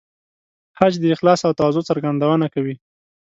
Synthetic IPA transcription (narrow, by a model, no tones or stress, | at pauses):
hat͡ʃd̪əɪxlɑsawt̪awazot͡saɾɡand̪awənakawi